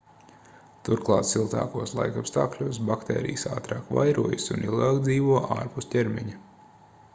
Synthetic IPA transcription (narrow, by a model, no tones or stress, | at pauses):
t̪uɾklˠɑ̰ːt̪silˠt̪ɑ̰ːkuɔslˠa̰jkapst̪aːklʲuɔːsbakt̪ɛ̰ːɾḭjsa̰ːt̪ɾɑːkʋa̰jɾuɔjsunilˠɡaːkd̪ziːʋuɔʔa̰ːɾpust̪tʲeɾmʲiɲi